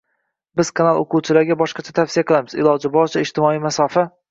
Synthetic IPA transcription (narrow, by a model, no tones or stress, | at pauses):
bɪz̥kʰanalˠoqʰuwt͡ʃʰɪlaɾɡʲabɒʃqɑt͡ʃʰat̪ʰafsijaqʰɨlˠamɪzɪ̰lˠɒd͡ʒɪbɒɾt͡ʃʰaɪd͡ʒt̪ɪmɒijmasɒfa